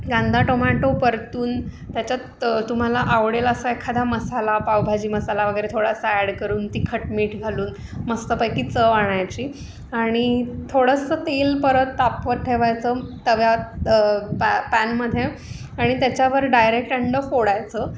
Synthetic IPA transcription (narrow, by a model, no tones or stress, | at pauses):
ɡãnd̪ʱaʈomaʈopəɾt̪uːn | t̪jat͡ɕja | t̪um̤alaʔaʋɽeləsəekʰad̪ʱaməsalapawbʱad͡ʑiːməsalaʋəɡəjɾet̪ʰoɽasaæɽkəɾuːnt̪ikʰəʈmiːʈɡʱaluːn | məst̪əpajkiːt͡səʋaɽ̃ajt͡ɕiː | aɽ̃it̪ʰoɽəsət̪elpəɾət̪ːapʋəɾʈʰeʋajt͡sət̪əʋja | ppænməd̪ʱje | aɽ̃it̪jat͡ɕjaʋəɾɖajɾek̚ʈəɳɖəxoɽajt͡sə